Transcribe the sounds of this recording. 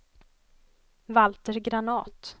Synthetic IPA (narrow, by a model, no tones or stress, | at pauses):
valt̪əɾɡɾanɑːt̪